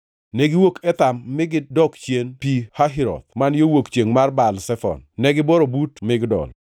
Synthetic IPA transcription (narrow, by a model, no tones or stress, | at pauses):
nɛɡɪwokɛt̪amːɪɡɪdɔkt͡ʃjenpihaɦiɾɔ̰t̪̚manjowokt͡ʃeŋmarbalsɛfɔ̰nnɛɡɪbɔɾobutmɪɡdɔ̰l